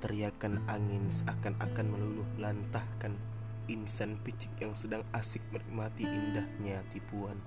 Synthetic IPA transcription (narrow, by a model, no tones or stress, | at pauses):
t̪əɾiakanaŋɪnsakana̰kanmənulʊhlant̪ahkan | insanpit͡ʃɪkjaŋsədaŋasɪk̚məɾik̚mat̪iʔːndahɲat̪ipuan